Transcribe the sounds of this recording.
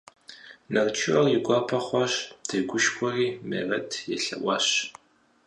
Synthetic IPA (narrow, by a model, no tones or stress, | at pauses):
nɐrt͡ʃʰɪɐrjɪɡʷɑːpʰɐχʷɑɕdʰɐɡʷʊʃkʷʰɔriːmḛːrɐtʰjɛɬɐ̰ʔʷɑːɕ